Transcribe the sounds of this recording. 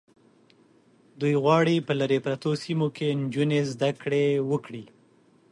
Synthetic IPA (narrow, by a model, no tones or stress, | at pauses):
d̪ujɣwɑɽipəlaɾepɾat̪osimokend͡ʒunezd̪akɽewəkɽi